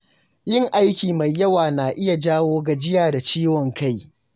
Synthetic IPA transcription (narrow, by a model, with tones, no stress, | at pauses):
jɪ˦ŋʔa˦jkʲiː˨ma˨jːɐ˦waː˨naː˨ʔɪ˦ja˨d͡ʒaː˦woː˦ɡa˨d͡ʒɪ˦jaː˨da˨t͡ʃiː˦wɔ˨ŋka˦˨j